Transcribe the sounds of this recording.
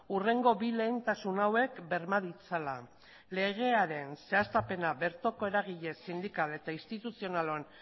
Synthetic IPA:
ure̞ŋɡo̞βile̞ːnt̪asunawe̞kbe̞ɾmaðit͡sala | le̞ɣ̞e̞aɾe̞nse̞ast̪ape̞naβe̞ɾt̪o̞ko̞e̞ɾaɣ̞iʎe̞sind̪ikale̞t̪aist̪it̪usio̞nalo̞n

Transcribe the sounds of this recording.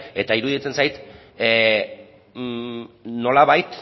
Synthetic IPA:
e̞t̪aiɾuðit͡se̞nsajt̪ | no̞laβajt̪

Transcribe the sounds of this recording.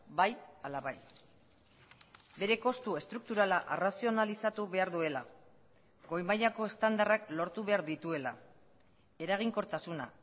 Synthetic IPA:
bajalaβaj | be̞ɾe̞ko̞st̪ue̞st̪ɾuk̚t̪uɾalaʔerasio̞nalisat̪uβe̞aɾðue̞la | ɡo̞jmajako̞e̞st̪and̪araklo̞ɾt̪uβ̞e̞aɾðit̪ue̞la̰ | e̞ɾaɣ̞iŋko̞ɾt̪asuna̰

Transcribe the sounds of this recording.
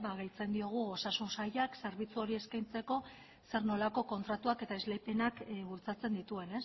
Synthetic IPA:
βaɣejt͡se̞nd̪io̞ɣ̞uo̞sasunsajakseɾβit͡suo̞ɾie̞skajnt͡se̞ko̞ | se̞ɾno̞lako̞ko̞nt̪ɾat̪uake̞t̪aezle̞pe̞nakuɾt͡sat͡se̞nd̪it̪ue̞ne̞s

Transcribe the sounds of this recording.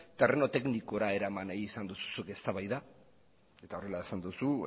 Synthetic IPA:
t̪ereno̞t̪e̞kniko̞ɾae̞ɾamanaiːsand̪usu̥suke̞st̪aβajða | e̞t̪ao̞re̞laesand̪usu

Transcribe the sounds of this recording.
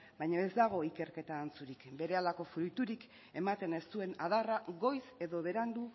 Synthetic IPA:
bajɲoe̞zd̪aɣ̞o̞ike̞ɾke̞t̪aːnt͡suɾikbe̞ɾe̞alako̞fɾujt̪uɾik | e̞mat̪e̞ne̞st̪ue̞naðaraɣo̞jse̞ðo̞βe̞ɾand̪u

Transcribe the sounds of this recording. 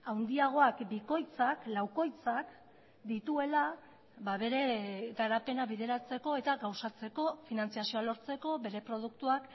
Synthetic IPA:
awnd̪iaɣ̞o̞akbiko̞jt͡saklawko̞jt͡sak | d̪it̪ue̞la | baβe̞ɾe̞ɣaɾape̞naβiðe̞ɾat͡se̞ko̞e̞t̪aɣawsat͡se̞ko̞finant͡siasio̞alo̞ɾt͡se̞ko̞be̞ɾe̞pɾo̞ð̞ukt̪uak

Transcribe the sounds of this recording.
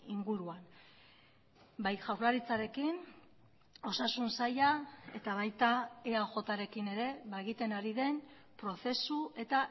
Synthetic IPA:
iŋɡuɾuan | bajʝawɾlaɾit͡saɾe̞kin | o̞sasunsajae̞t̪aβ̞ajt̪aeaʝo̞t̪aɾe̞kine̞ɾe̞βaeɣit̪e̞naɾiðe̞n | pɾo̞θe̞sue̞t̪a

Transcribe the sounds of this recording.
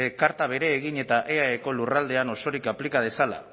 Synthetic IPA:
ekaɾt̪aβ̞e̞ɾe̞ːɣ̞iɲe̞t̪aʔeaeko̞lurald̪e̞ano̞so̞ɾikaplikað̞e̞sala̰

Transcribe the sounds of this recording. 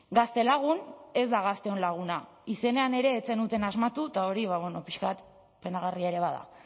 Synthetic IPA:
ɡast̪e̞laɣ̞une̞zd̪aɣ̞ast̪e̞o̞nlaɣ̞una | ise̞ne̞ane̞ɾe̞ːt͡se̞nut̪e̞nazmat̪ut̪ao̞ɾiβaβwe̞no̞piʃkat̪ | pe̞naɣariaeɾe̞β̞aða̰

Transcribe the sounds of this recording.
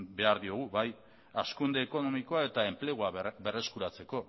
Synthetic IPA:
be̞aɾðio̞ɣ̞uβaj | askund̪e̞ːko̞no̞miko̞ae̞t̪ae̞mple̞ɣ̞oabe̞re̞skuɾat͡se̞ko̞

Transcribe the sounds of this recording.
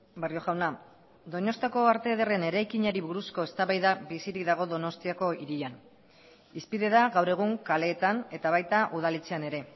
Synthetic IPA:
berjo̞xawna | d̪ono̞st̪ako̞aɾt̪e̞ðere̞ne̞ɾajkiɲaɾiβuɾusko̞e̞st̪aβajðabisiɾiðaɣ̞o̞ðo̞no̞st̪iako̞iɾian | ispiðe̞ðaɣawre̞ɣ̞uŋkale̞ːt̪ane̞t̪aβ̞ajt̪aʔuð̞alit͡se̞ane̞ɾe̞

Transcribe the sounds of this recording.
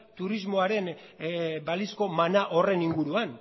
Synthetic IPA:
t̪uɾizmo̞aɾe̞n | balisko̞manaʔo̞re̞niŋɡuɾuan

